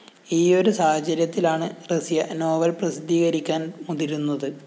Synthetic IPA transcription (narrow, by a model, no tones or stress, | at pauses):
iːo̞ɾusaːhɐt͡ɕːɐɾjɐt̪ːilaːɳɨresijɐno̞ːʋɐlprɐsid̪ʱːiːɣɐɾikʲːaːnmud̪iɾunːɐðɨ